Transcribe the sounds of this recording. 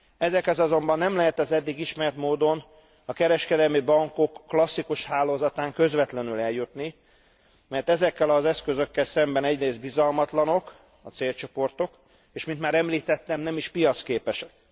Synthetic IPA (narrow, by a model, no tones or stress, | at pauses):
ɛzɛkɛzɒzo̞mbɒnːɛmlɛɦɛt̪ɛzɛd̪ːiɡiʃmɛrt̪moːd̪o̞n | ɒkɛɾɛʃkɛd̪ɛlmibɒŋko̞kːlɒsːikuʃhaːloːzɒt̪aːŋkø̞zʋɛt̪lɛnylɛljut̪ni | mɛrt̪ɛzɛkːɛlɒzɛskøzø̞kːɛlsɛmbɛnɛɟreːzd̪̚bizɒlmɒt̪lɒno̞k | ɒt̪seːlt͡ʃo̞po̞rt̪o̞k | eːʃmint̪maːɾɛmliːt̪ɛt̪ːɛmnɛmiʃpijɒt̪skeːpɛʃɛk̚